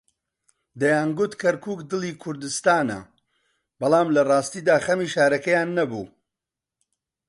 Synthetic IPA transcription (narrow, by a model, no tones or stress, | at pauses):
d̪ɐjaːnɡʊt̪kʰɐɾkʰuːkd̪ɨlˠiːkʰʊɾd̪ɨst̪aːnɐ̰ | bɐlˠaːmlɐrˤɑːst̪iːd̪aːxɐmiːʃaːɾɐkɐjaːnːɐbṵː